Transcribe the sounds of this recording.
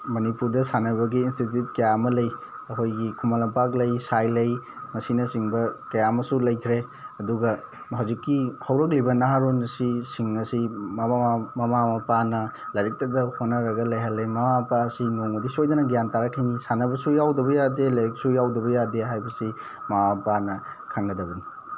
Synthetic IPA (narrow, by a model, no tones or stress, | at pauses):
mɐnipuɾdɐsanɐβɐɡiːnstit̬jut̚kɐjamɐlɐjɐɦojɡikʰumalɐmpaklɐjsajlɐj | mɐsinɐsiŋbɐkɐjamɐsulɐjkʰɾeɐduɡɐ | ɦawzikːihɐwɾɐk̚libɐnaɦaɾonɐsisiŋɐsimɐamɐmamɐpanɐlɐjɾik̚tɐdɐhonːɐɾɐɡɐlɐjɦɐlːɐjmɐmapasinoŋɐdisojdɐnɐɡijantaɾɐkʰajnisanɐbɐsujawdɐbɐjadelɐɾik̚sujawdɐβɐjadeɦajbɐsi | mawapanɐkʰaŋɡɐdɐbɐni